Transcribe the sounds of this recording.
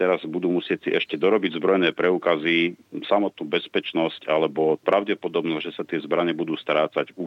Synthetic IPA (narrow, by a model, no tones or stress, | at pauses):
t̪ɛɾazbud̪uːmusɪɛct͡siʔɛʃcɛd̪ɔɾɔbiɟzbɾɔjnɛːpɾɛuːkazisamɔt̪̚nuːbɛspɛt͡ʃnɔscalɛbɔpɾʔaʊɟɛpɔd̪ɔbnɔʒɛsat̪ɪɛzbɾaɲɛbud̪uːst̪ɾaːt͡saɟu